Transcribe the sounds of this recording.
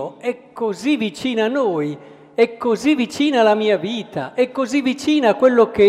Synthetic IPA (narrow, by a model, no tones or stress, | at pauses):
oɛkːozivit͡ʃiːnanːoːj | ɛkːozivit͡ʃiːnalamiːaviːt̪ʰa̰ʔɛkːozivit͡ʃiːnaakwelːoke